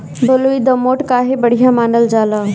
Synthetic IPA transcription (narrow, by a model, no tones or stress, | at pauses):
bəluid̪ɐmoːʈkaːɦebɐɽ̤ijamaːnəld͡ʒaːlaː